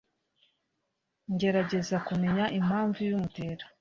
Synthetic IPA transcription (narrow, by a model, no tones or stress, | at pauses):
ɲɟe̞ɾaɟe̞zakume̞ɲaʔim̥haːɱvujumute̞ɾḁ